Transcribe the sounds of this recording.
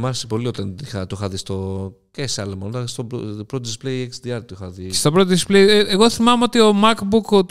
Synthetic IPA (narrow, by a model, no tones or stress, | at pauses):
mɐɾesipo̞liot̪ɐnixɐt̪oixɐðist̪o̞ceseɐlomɐnt̪ɐst̪opɾot̪oðisplejeksd̪iɐɾt̪uixɐðist̪o̞pɾot̪oðisplejeeɣo̞θimɐmeo̞t̪io̞mɐkbuk